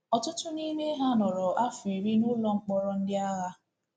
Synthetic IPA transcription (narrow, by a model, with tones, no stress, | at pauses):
ɔ˨tʊ˦tʊ˦ni˦ne˦ɦa˦nɔ˨ɾɔ˨ʔa˦fi˨ɾi˦nʊ˦lɔ˦ŋ͡m̩˦k͡pɔ˦ɾɔ˦n̩˦dɪ˦a˦ɣa˦